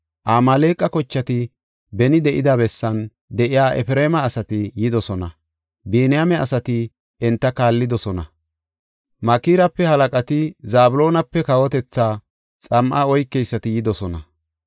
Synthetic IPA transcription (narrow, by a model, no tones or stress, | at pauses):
ʔaːmɐleːkʼɐkɔt͡ʃːɐt̪ɪ | bɛnɪd̪ɛʔɪd̪ɐbɛsːɐn | d̪ɛʔɪjaːʔɛ̰fɾeːmɐːsɐt̪ɪjɪd̪ɔsɔnɐ | beːnɪjamɛɐsɐt̪ɪ | ɛnt̪ːɐkaːlːɪd̪ɔsɔnɐ | mɐkiːɾɐpːɛhɐlɐkʼɐt̪ɪzaːbʊlo̞ːnɐpːɛkɐwɔt̪ɛt͡sːaː | t͡sʼɐmʔaɔjkːɛjsːɐt̪ɪjɪd̪ɔsɔnɐ